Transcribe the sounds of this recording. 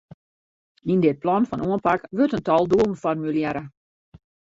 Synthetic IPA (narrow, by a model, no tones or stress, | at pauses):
indɪt̚plɔnfɔnʔuənpakʋøtəntɔlˠduəlˠn̩fɔrmyljɛɾə